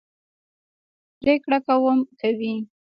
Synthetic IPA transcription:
pɾekɽakawəmkawi

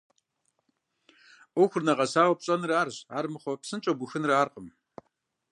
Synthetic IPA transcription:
ʔʷɔxʷʊrnɐʁɐsaːwɐpɕʼɐnɨraːrɕa̰ːrmɨχʷɔpsɨnt͡ʃʼɐbʊxɨnɨraːrqʼəm

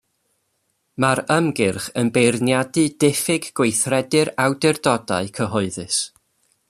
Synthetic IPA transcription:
maɾəmɡɪrχənbejrnjadɨdɪfɪɡɡwejθrɛdɨɾawdɪrdɔda̰ɨkʰəɦɔɨðɨs

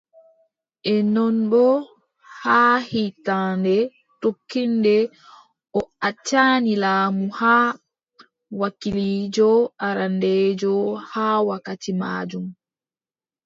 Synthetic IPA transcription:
ʔɛnɔnbɔ | haːhitaːndɛ | tokːindɛ | ɔat͡ʃːaːnilaːmuhaː | wakiliːd͡ʒɔʔaɾandɛːd͡ʒɔhaːwakatima̰ːd͡ʒum

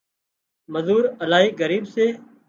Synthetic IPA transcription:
məzuːɾəlaːɦiːɡəɾiːbseː

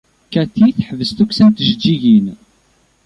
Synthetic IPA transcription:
kæθiθħvəst̪uksænt̪əʒd͡ʒːiʝin

